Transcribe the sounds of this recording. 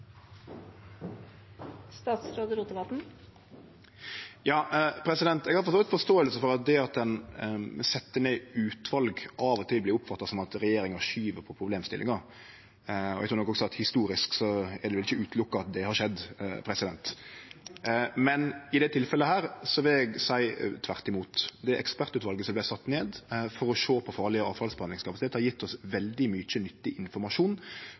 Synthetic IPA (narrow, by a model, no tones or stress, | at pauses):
st̪ɑːt̪sɾoːd̪əɾuːt̪əʋɑt̪n̩ | jɑːpʰɾɛsɪd̪ɛnt̪ɛɡhɑɾfɔst̪oːt̪fɔʂt̪oːəlsəfɔɾɑt̪̚d̪ɛɑt̪̚d̪ɛn | sɛt̪ːəneːʉːt̪ʋɑlɡɑːʋɔt̪ʰɪlblɪɾʊpːfɑt̪ːɑsɔmɑt̪ɾɛjeːɾɪŋɑʃyːʋəɾpʰɔpʰɾʊbleːmst̪ɪlɪ̰ŋɑ | ɔɛɡt̪ʰːɾnɔkːɔɡsɔɑt̪hɪst̪uːɾɪsksɔæɾd̪ɛʋɪlɪçəʉːt̪lʊkːɑɑt̪̚d̪ɛhɑɾʂɛd̪ːpʰɾɛsɪd̪ɛnt̪ | mɛnɪd̪ɛt̪ʰɪlfɛlːəhæːɾsɔʋɪlɛɡsæɪt̪ʰʋæɾt̪ɪmuːt̪d̪ɛʔɛ̰kspæɾt̪ʉːt̪ʋɑlɡəsɔmblæɪsɑt̪ːneːd̪fɔɾɔʂoːpʰɔfɑːɾlɪəɑ̰ːʋfɑlsbɛhɑnɪŋskʰɑpɑsɪt̪eːt̪hɑɾjɪt̪ːɔsʋɛld̪ɪmʏt͡ʃːənʏt̪ːɪʔɪnfɔɾmɑʂuːn